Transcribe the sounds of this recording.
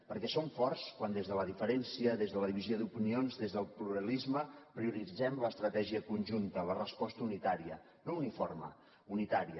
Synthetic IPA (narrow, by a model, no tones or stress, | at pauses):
pəɾkɛsoɱfɔrskwand̪ezðələðifəɾɛnsiəðezðələðiβizjoðupinionzðezðəlˠpluɾəlizməpɾiuɾid͡zɛmləst̪ɾət̪ɛʒiəkunʲʒunt̪ələrəspɔst̪əunit̪aɾiə | nouniformə̰ | unit̪aɾiə